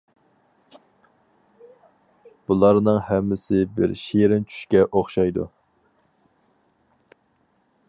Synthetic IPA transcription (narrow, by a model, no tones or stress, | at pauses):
b̥ulˠɑɾnɨŋhɛmːɪsɪbɪ̰ɾʃeɾɪnt͡ʃʰy̥ʃkʲɛʔoχʃɑjd̪ṵ